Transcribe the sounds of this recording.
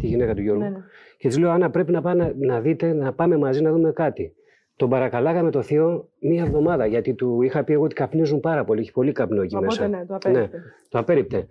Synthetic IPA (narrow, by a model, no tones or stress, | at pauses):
t̪iʝinekɐt̪uʝoɾum | ce̞t̪izle̞oɐnɐpɾe̞pinɐpɐnɐðit̪e̞nɐpɐme̞mɐzinɐðume̞kɐt̪i | t̪o̞mbɐɾɐkɐlɐɣɐme̞t̪o̞θio̞miɐevðo̞mɐðɐʝɐt̪it̪uixɐpie̞ɣo̞ot̪ikɐpnizumpɐɾɐpo̞lieçi̥po̞likɐpnoecimesɐne̞t̪oɐpe̞ɾip̚t̪e̞